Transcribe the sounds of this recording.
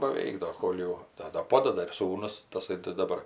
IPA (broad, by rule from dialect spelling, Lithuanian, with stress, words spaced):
bɐˈʋʲɛɪk ˈdoː ˈkoːlˠ jɛʊ ˈdɐ dɐ ˈpoːdɐdɐ ɪr ˈsuːnʊs tɐˈsɐɪ tɐɪ dɐˈbɐr